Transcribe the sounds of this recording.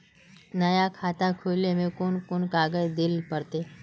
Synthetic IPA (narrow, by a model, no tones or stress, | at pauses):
nɐjakʰaːt̪akʰoːlemẽkʊnkʊnkaːɡəd͡ʒd̪ɪlpəɾt̪eː